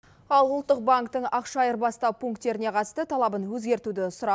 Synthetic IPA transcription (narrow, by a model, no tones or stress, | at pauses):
ɑlˠʊlˠt̪ːəq̚baŋkt̪əɴɑqʃɑjəɾbɑst̪ɑwpʰuŋkt̪ːe̞ɾɪne̞qʰɑt̪əst̪ət̪ʰɑlˠɑbənwɵzɡʲe̞ɾt̪ud̪ɪsʊɾɑ